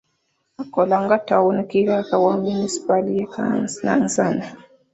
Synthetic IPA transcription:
akɔlaŋɡataunikiɾakawaminisi̥palijaka̰na̰n̩sana

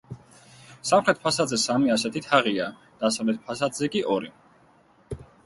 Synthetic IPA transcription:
samχɾɛt̪̚pʰasad̪zɛsamiasɛt̪ʰit̪ʰaʁiad̪̥asavlɛt̪̚pʰasad̪zɛkʼiʔɔɾi

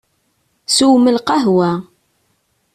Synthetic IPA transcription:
suwməlqɑɦwæ

